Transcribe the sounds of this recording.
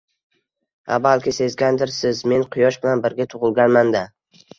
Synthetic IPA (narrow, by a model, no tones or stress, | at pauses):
a̰balkʲɪse̞zɡʲand̪ɪɾsɪzme̞nqʰʊjɒʃbɪlanbɪɾɡʲat̪ʰʊʁɨlˠɡʲanmand̪a